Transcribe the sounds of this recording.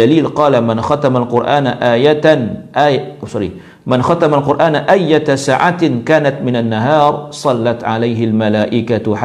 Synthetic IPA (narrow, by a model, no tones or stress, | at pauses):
aliːlqɑːlamɪnxat̪amalqʊɾʔaːnʔaːjaʔaːʃɑɾḭ | mɪnxat̪amalqʊɾʔaːnʔajːasaːʕat̪kaːnat̪mɪnanːaɦɑːɾˤsˤɑlːɑt̪ʕalajɦɪlmalaːʔɪkaħa